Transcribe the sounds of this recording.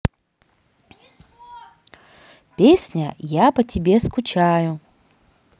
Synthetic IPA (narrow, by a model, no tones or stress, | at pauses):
pʲesʲnʲəjapətʲɪbʲeskʊt͡ɕajʊ